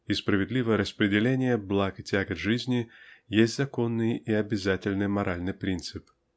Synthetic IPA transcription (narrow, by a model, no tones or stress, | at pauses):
ispɾəvʲɪd̪lʲivəjəɾəspɾʲɪdʲɪlʲenʲɪjəblˠakɨtʲaɡət̪ʐɨzʲnʲɪjesʲtʲzɐkonːɨjiɐbʲɪzatʲɪlʲnɨjmɐɾʔalʲnɨjpɾʲint̪sɨp